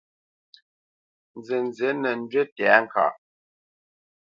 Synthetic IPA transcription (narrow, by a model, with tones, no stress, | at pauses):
n˨zə˨n˨ze˨˦nə˨n̩˦d͡ʒɥe˦tɛ˨˦ŋ̩˨ka̰˨ʔ